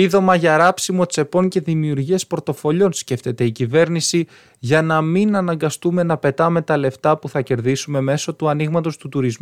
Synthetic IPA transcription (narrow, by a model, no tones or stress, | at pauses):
iðo̞mɐʝɐɾɐpsimo̞t͡se̞po̞ɲce̞ðimiuɾʝiɐspɾot̪o̞fo̞ʎo̞nsce̞ft̪e̞t̪e̞icive̞ɾnisi | ʝɐnɐminɐnɐŋɡɐst̪ume̞nɐpe̞t̪ɐme̞t̪ɐle̞ft̪ɐpuθɐce̞ɾðisume̞me̞so̞t̪uɐniɣmɐt̪o̞st̪ut̪uɾizmu